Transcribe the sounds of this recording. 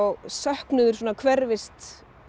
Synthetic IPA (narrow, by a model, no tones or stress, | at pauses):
ɣsœhknʏðʏɾsoːnakʰvɛɾvɪst̪